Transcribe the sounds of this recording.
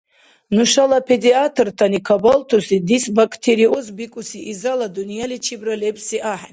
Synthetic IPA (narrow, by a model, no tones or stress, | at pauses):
nuʃalapʰɛd̪iat̪ʰrt̪ʰanikʰabalt̪ʰusid̪isbakʰt̪ʰɛɾiɔzbikʼusiʔizalad̪unijalit͡ʃʰibɾalɛbsiʔaħan